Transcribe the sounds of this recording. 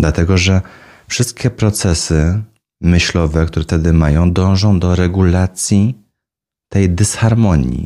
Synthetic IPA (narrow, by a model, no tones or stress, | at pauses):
d̪lat̪ɛɡɔʐɛ | fʂɘst̪̚kʲɛpɾɔt̪sɛsɘ | mɘɕlɔvɛk̚t̪uɾɛft̪ɛd̪ɘmajɔ̃w̃d̪ɔ̃w̃ʐɔ̃w̃d̪ɔɾɛɡulat̪sʲji | t̪ɛjd̪ɛsxaɾmɔɲjḭ